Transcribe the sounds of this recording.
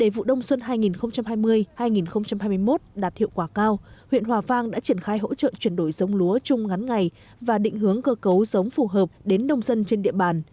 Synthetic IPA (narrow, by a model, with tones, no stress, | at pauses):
ɗe˧˩vṵ˧˨ɗə˧wŋ͡mswə˧nɦaː˧jŋi˨˩nxə˧wŋ͡mt͡ɕa˧mhaː˧jmɨ˧əjhaː˧jŋi˨˩nxə˧wŋ͡mt͡ɕa˧mhaː˧jmɨ˧ə˧jmo˦˥t̚ɗaː˨˩t̚hḭ˧˨əwkwaː˧˩kaː˧whwḭ˧˨ənɦwaː˨˩vaː˧ŋɗa̰ː˧˥t͡ɕi˧˩ənxaː˧jɦo̰˧˥t͡ɕə̰ː˧˨t͡ɕwi˧˩ənɗo˧˩jzə˨˦wŋ͡mlu˨˦ət͡ɕʊ˧ŋ͡mŋa˨˦nŋa˨˩j | vaː˨˩ɗḭ̈˧˨ŋ̟ɦɨ˨˦əŋkəː˧kə˨˦wzə˨˦wŋ͡mfu˧˩ɦəː˨˩p̚ɗe˨˦nɗə˨˧wŋ͡mzə˧nt͡ɕe˧nɗḭ˧˨əɓaː˨˩n